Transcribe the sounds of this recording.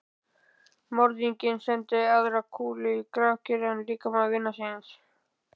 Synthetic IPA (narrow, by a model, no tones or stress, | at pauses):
mɔɾðiɲcɪnsɛnt̪ɪaðɾakʰuːlɪikɾawcʏɾɛnliːkamavɪnːasɪns